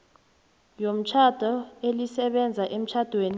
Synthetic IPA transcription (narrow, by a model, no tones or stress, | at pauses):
jom̩t͡ʃʰad̥ʱɔelisɛɓɛnd͡zʱaʔem̩t͡ʃʰad̥ʱweːni